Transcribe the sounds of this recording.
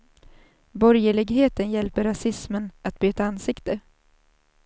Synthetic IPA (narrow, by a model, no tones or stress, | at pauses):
bɔɾjəlɪɡheːt̪ənjɛlpəɾasɪsmənat̪̚byːt̪aansɪkt̪ə